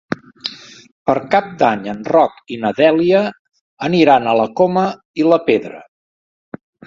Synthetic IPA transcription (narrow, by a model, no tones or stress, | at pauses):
pəɾkap̚d̪aɲənrɔkinəðɛliə | əniɾanələkomə | iləpeðɾə